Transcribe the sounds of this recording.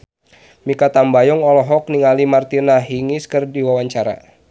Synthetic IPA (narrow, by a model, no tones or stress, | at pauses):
mikat̪ambajɔŋɔlɔɦɔk̚niŋalimart̪inaɦiŋiskɨrdiwawaɲt͡ʃaɾa̰